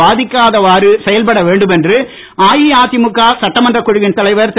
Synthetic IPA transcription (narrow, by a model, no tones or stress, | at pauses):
aːðɪkːaːðɐʋaːɾɯsɛjɐlpɐɽɐʋeːɳɖɯmɛndrɯ | aːjiaːt̪ːɪmʊkːaːsɐʈːɐmɐndrɐkːʊɻɯʋɪnt̪ɐlɐɪʋɐɾt̪